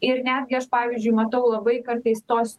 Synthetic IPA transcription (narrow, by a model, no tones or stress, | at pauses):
ɪɾnʲæːd̪ʲɡʲɪɐʃpɑːʋʲizʲd͡ʒʲʊɪmɐt̪ɐʊlˠɐbɐɪkɐɾt̪ɐɪst̪oːs